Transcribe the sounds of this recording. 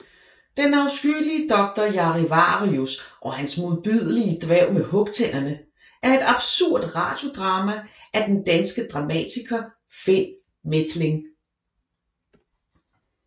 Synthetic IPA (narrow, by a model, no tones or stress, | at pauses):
d̥enɑ̈ʊsɡ̥yliəd̥ɒ̽ɡ̥̚d̥ɐjɑ̈ʁiʋɑ̰̈ːʁiusʔɒ̽hænsmoðˠb̥yð̞ˠəliəd̥ʋɛʊ̰mehɔ̽ɡ̥t͡sʰel̰ɐnə | ʔæɐe̝d̥ɑ̈b̥suɐ̰d̥ʁɑ̈ːd̥jo̝d̥ʁɑ̈ːmæʔæd̥end̥ænsɡ̥əd̥ʁɑ̈mɛ̰t͡sʰiɡ̥ʰɐ | fen̰ | med̥le̝ŋ